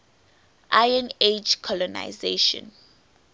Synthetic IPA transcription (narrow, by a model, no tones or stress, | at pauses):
ʔajɛ̃ned͡ʒkʰɔlɔna̰jzeʃɔ̰̃n